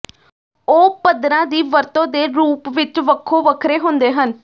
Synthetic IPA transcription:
oːpəd̪ɾãːd̪iːʋəɾt̪õːd̪eːɾuːpʋɪt͡ʃʋəkʰːoːʋəkʰɾeːɦʊnd̪eːɦən

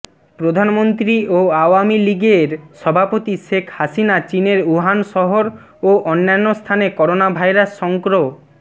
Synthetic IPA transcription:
pɾod̪ʱanmont̪ɾioaoamiliɡeɾʃɔbʱapot̪iʃekʰhasinat͡ɕineɾuɦanʃɔɦoɾ | oʔɔnːanːost̪ʰanekɔɾonabʱajɾasːɔŋkɾo

